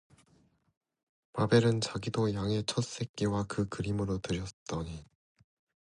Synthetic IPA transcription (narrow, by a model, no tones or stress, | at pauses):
pabe̞ɾɯnt͡ɕaɡidojaŋe̞t͡ɕʰʌs͈e̞k̚k͈iwakɯkɯɾimɯɾotɯɾjʌt͈ʌɲi